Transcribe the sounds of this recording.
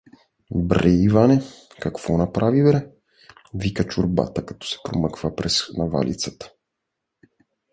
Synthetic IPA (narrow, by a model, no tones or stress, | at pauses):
bɾɛivanɛ | kakv̥ɔnapɾavibɾɛ | vikət͡ʃuɾba̰t̪əkḁt̪ɔ̥sɛ̥pɾoməkvəpɾɛsnava̰lʔḭt̪sət̪ə̥